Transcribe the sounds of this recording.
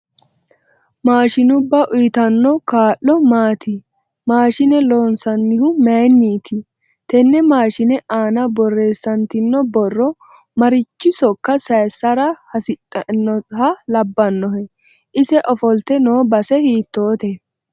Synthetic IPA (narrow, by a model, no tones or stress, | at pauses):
maːʃɪnʊbːɐʔʊjt̪ɐnːɔkaːʔːɔmaːt̪ɪ | maːʃɪnɛlo̞ːnsɐnːɪhʊmenːiːt̪ʰɪ | t̪ɛnːɛmaːʃɪnɛʔaːnɐbɔrːe̞ːsːɐnt̪ɪnːɔbɔrːɔ | mɐɾɪt͡ʃːɪsɔkːɐsɐjsːɐɾɐhɐsɪtʼːɐnːɔhɐlɐbːɐnːɔhɛ | ʔɪsɛʔɔfɔlt̪ɛnoːbɐsɛhiːt̪ːo̞ːt̪ɛ